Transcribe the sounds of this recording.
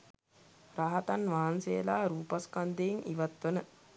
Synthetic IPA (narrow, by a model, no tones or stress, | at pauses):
ɾaɦat̪anʋaɦansejə̰laːɾuːpaskand̪eiŋʔiʋat̪ʋənə